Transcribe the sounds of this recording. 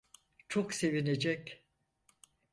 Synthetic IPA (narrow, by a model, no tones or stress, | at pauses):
t͡ʃʰokse̞vined͡ʒɛc